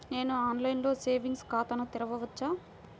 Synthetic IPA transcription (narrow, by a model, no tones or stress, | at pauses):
ne̞ːnuaːnlɐjnlo̞ːse̞ːʋiŋɡskaːt̪ɐnɐt̪iɾɐʋɐʋɐt͡ʃːaː